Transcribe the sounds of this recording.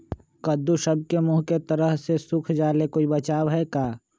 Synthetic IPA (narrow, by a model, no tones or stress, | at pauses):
kɐd̪uʃɐb̚kemuɦket̪ɐɾəɦsesʊkʰd͡ʒaːlekoːibɐt͡ʃaːwɦɛkaː